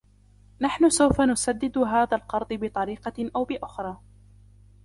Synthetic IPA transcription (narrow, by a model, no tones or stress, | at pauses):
naħnʊsawfanʊsad̪ːɪd̪ʊɦaːðalqɑɾˤd̪ˤɨbɪt̪ˤɑɾiːqɑʔawbɪʔʊxɾˤɑː